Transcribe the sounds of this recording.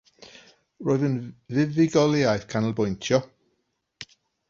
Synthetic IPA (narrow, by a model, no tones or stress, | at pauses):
roːɨðənvɪðɪɡɔlˠjajθkʰanəlˠbɔjntʰjɔ